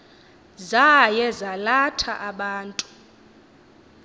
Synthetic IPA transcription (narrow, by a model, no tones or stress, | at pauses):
zajɛzalatʰaʔaɓaːntʼu̥